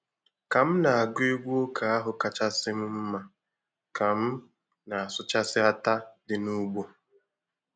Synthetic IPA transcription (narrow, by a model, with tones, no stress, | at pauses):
ka˨m̩˦na˨a˨ɡe˦ɡʷu˦o˦kʰa˨a˦ɦʊ˨ka˨t͡ʃa˦sɪ˦m̩˦m̩˦ma˨ | ka˨m̩˦ | na˨a˨sʊ˦t͡ʃa˦sɪ˦a˦ta˦dɪ˨nu˦ɡ͡bo˦